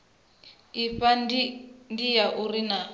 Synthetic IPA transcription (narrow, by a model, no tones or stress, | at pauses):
iɸa | ndijaʔurina